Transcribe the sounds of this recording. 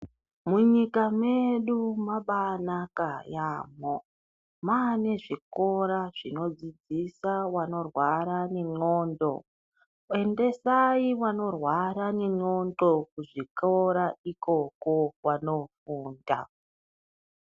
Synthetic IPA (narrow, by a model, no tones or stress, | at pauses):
muɲikame̞ɗumaɓanakajaːmo | mane̞ʐiko̞ɾaʐ̥ino̞d͡zid͡zisawano̞rwaɾane̞ɲo̞ːndo̞̰ | e̞nde̞saiwano̞rwaɾane̞ŋ͡ǀo̞ndo̞kuʐikoɾaikʰo̞ko̞wano̞fuːnda̰